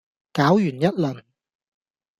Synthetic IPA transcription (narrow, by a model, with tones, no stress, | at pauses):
kaː˨˥wjyː˨˩njɐ˥t̚lɵ˨˩n